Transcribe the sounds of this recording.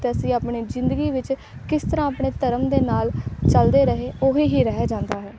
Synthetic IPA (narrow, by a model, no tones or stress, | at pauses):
t̪eːəsĩːaːpɳeːd͡ʒɪnd̪əɡiːʋɪt͡ʃ | kɪst̪əɾãːapɳeːt̪əɾəmd̪eːnaːlt͡ʃəld̪eːɾəɦeːoːɦiːɦiːɾɛɦɛd͡ʒãːnd̪aːɦɛː